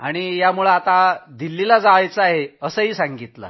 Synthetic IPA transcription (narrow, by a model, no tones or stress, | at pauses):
aɽ̃ijamuɭaat̪ad̪ilːilad͡zaʋajt͡səaɦeəsəɦiːsaŋɡit̪la̰